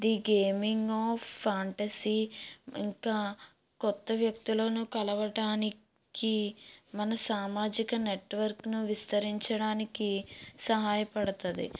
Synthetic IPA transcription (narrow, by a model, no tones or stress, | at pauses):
d̪iɡeːmiŋɡoːfʰːaːɳʈɐsiːḭŋkaː | kɔt̪ːɐʋjɐk̚t̪uloːnukɐlɐʋɐɽaːni | kimɐnɐsaːmaːd͡ʒikɐneʈʋɐɾknuʋist̪ɐɾiɲt͡ʃɐɽaːnikisɐɦaːjɐpɐɽɐt̪und̪ḭ